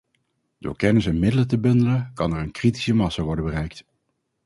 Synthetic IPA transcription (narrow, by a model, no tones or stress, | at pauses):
d̥ʊ̰ːɹkɛnɪsɛnmɪdələtəbɵndələnkɑnɛɹənkriti̥səmɑsaʋɔɹdəbərɛjk̚t